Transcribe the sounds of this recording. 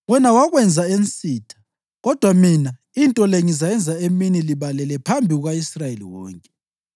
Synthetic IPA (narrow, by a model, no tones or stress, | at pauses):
ɣwɛnawaɣwɛnd͡zʱaent͡sʼiːtʰḁ | ɣɔd̥ʱwamina | intʼɔleŋizajɛnd͡zʱaeminiliβalɛlɛpʰambʱiɣuɣaisrajelḭwɔ̰ːŋkʼɛ